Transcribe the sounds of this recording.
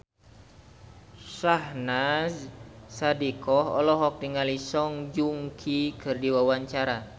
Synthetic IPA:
sahnazsadikɔɦɔ̰lɔɦɔk̚diŋalisɔŋd͡ʒuŋkʰikʰɨrdiwawaɲt͡ʃaɾa

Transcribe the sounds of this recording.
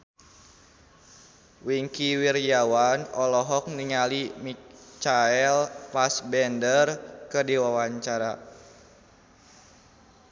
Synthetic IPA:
wiŋkiwirjawanɔlɔɦɔk̚niŋalimit͡ʃaɛlpasbɛndərkədiwawaɲt͡ʃaɾa

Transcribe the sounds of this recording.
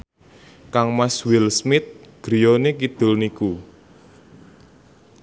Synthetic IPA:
kaŋmaswilsmɪt̪̚ɡ̥ɾijonekid̪̥ʊ̤lniku

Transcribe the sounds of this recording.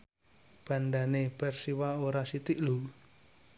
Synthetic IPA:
b̥a̤nd̪aneb̥ɛrsiwaoɾasit̪iʔlu

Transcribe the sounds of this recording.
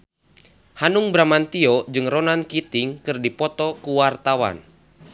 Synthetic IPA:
hanuŋbɾamant̪iɔd͡ʒɨŋrɔnankit̪iŋkɨrdipɔt̪ɔkuwart̪awa̰n

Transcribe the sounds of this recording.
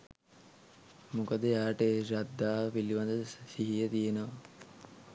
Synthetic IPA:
mukəd̪əjaːʈeɾad̪ːaːʋpiliʋand̪əsiɦijət̪ijenəʋɐ

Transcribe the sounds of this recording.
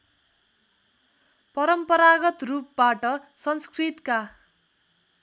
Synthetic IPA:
pʌɾʌmpʌɾaɡʌt̪rup̚baʈʌsʌnskrit̪ka

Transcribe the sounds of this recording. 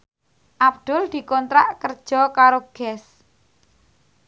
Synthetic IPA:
ʔab̚d̪̥ʊ̤ld̪̥i̤kɔnt̪ɾaʔkərd̥ʒ̥ɔ̤kaɾoɡ̥ɛs

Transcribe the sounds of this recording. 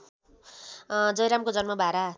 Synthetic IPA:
d͡zʌjɾamkod͡zʌnmʌbʱaɾa

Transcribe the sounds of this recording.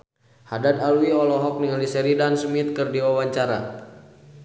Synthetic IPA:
hadat̪aluiɔlɔɦɔk̚niŋalisɛɾidansəmit̪̚kərdiwawaɲt͡ʃaɾa̰

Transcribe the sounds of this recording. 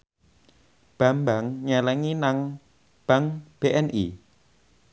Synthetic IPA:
b̥a̤mbaŋɲɛlɛŋinaŋ | b̥a̤ŋb̥eʔɛnʔi

